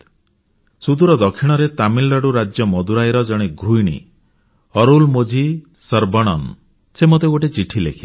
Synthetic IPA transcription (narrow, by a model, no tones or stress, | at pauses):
sud̪uɾɔd̪ɔkʰiɽ̃ɔɾet̪amilːɔɽuɾad͡ʒjɔmɔd̪uɾajɾɔd͡ʒɔɽ̃eɡʱɾujɽ̃ḭ | ɔɾulmod͡ʒʱi | sɔɾbɔɽ̃ɔn | semot̪eɡoʈet͡ʃiʈʰilḛkʰi